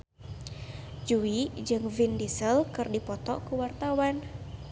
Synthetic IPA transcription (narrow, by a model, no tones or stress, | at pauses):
d͡ʒuid͡ʒɨŋvindisəlkɨrdipɔt̪ɔ̰kuwart̪awan